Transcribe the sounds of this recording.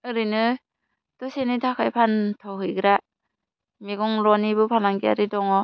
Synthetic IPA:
ɯɾɯnɯ | d̥ɔsenitʰakʰajpʰantʰɔɦɯjɡɯɾa | meɡɔŋɾɔnibɯpʰalaŋɡia̰ɾidɔŋɔ

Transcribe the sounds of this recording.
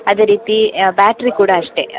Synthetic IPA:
ɐd̪e̞ːɾiːt̪ibaːʈɾikuːɽaːʂʈe̞

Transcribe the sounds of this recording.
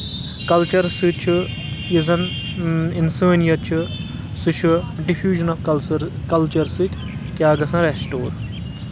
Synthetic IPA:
kɐlt͡ʃɐɾsɨt͡ʃʰu | jiz̬ɐn | insəːnjɐt͡ʃʰɨ | sɨʃʰuɖifjuːʒɐnɐfkɐlt͡ʃɐɾsɨt̪ʲ | kʲjaːɡɐsɐ̃nɾesʈoːɾ

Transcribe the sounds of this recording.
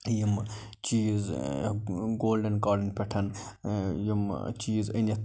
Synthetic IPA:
jim | t͡ʃiːz | ɡoːlɖɐnɡaːɾɖɐnpʲeʈʰɐn | jimt͡ʃiːzənet̪

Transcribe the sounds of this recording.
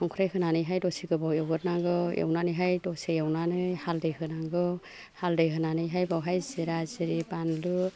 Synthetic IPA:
ɔŋkʰɾajɦɯnanɯjɦajdɔsiɡɯbɔwewɡɯt̚naɡɯḛwnanɯjɦajdɔsejawnanɯhaldɯjɦɯnaɡɯ | haldɯjɦɯnanɯjɦajbɔwɦajziɾaziɾibanlu

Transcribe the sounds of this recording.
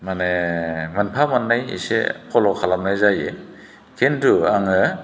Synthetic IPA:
manemanpʰamanːajḭsḛpʰɔlɔkʰalam̚najzaje | kʰenduaŋɯ

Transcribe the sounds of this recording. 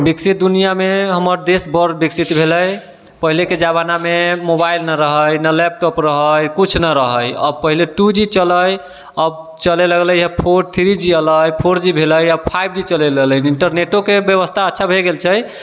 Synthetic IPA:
biksit̪̚d̪unijameɦəməɾd̪esbəɾbiksit̪bʱeləj | pəɦileked͡ʒaβanamemobailnaɾəɦəjnəlɛp̚ʈɔpɾəɦəjkut͡ʃʰnəɾəɦəjə̰bpəɦileʈud͡ʒit͡ʃələj | əb | t͡ʃəleləɡləjəpʰoɾt̪ʰiɾid͡ʒiələjpʰoɾd͡ʒibʱeləjəbpʰajb̚ʱd͡ʒit͡ʃəleləɡləniɳʈəɾneʈokebjəβəst̪ʰaətːʃʰabʱeɡelt͡ʃʰəj

